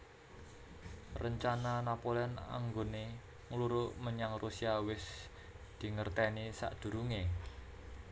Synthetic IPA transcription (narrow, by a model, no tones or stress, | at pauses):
rəɲt͡ʃananapoleɔna̰ŋɡone | ŋluɾʊʔməɲaŋrusiawɪs | d̪̥i̤ŋərt̪ɛnisa̰ʔd̪̥ṳɾuŋe